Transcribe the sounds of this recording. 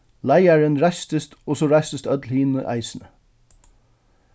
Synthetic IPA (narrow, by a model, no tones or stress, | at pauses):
laɪæɹənɹast̪əst̪ɔsɔɹæst̪əst̪œt̪lhiːnə̰ʔæ̰ɪsənə